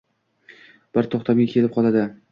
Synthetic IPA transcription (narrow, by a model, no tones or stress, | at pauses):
b̥ɪɾt̪ʰoχt̪ʰamɡakʲʰe̞lɪp̚qʰɒlˠad̪ɪ